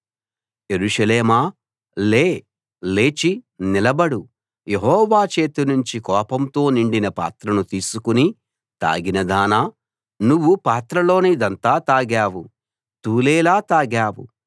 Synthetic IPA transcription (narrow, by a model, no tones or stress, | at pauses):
je̞ɾuʂɐleːmaː | leː | le̞ːt͡ʃinilɐbɐɽu | je̞ɦɔːʋaːt͡ʃe̞ːt̪unuɲt͡ʃikɔːpɐmt̪o̞ːniɳɖinɐpa̰ːt̪ɾɐnut̪iːsukuni | t̪a̰ːɡinɐd̪aːnaː | nuʋːupaːt̪ɾɐlo̞ːnid̪ɐnt̪aːt̪aːɡaːwu | t̪uːleːlaːt̪aːɡaːwṵ